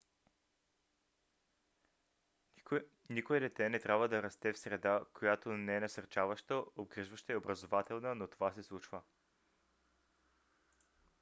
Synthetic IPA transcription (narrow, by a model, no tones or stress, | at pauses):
nikoɛd̪ɛt̪ɛnɛt̪ɾʲabvəd̪ɐɾɐst̪ɛfsɾɛd̪akojat̪onɛɛnɐsɐɾt͡ʃavəʃt̪əobɡɾiʒvəʃt̪əɛobɾɐzovat̪ɛlˠnənot̪ovasɛslˠut͡ʃvə